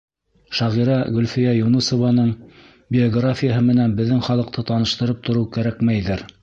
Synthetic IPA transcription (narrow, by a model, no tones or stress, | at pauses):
ʃɑʁiɾɑɡɵ̆lfijæjunusovɑnɤɴ | bʲɪoɡrafʲijəɦɤmɘ̆nænbɘ̆ðːɘŋχɑlˠɤ̆q̚t̪ʰɤt̪ɑnɤ̆ʃt̪ɤ̆ɾɤp̚t̪ŏɾɤwkæɾækmæjðɘɾ